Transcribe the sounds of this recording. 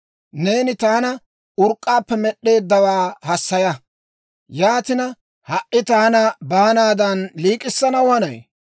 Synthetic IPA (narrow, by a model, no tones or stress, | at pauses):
ne̞ːnɪt̪aːnɐ | ʊɾkʼːaːpːɛmɛɗːe̞ːd̪ːɐwaːhɐsːɐjɐ | jaːt̪ɪnɐ | hɐʔʔɪt̪aːnɐbaːnaːd̪ɐnliːkʼɪsːɐnɐwɐnɐj